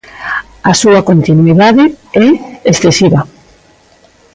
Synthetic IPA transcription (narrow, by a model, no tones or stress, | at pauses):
asuakont̪inwiðaðeɛesθesiβa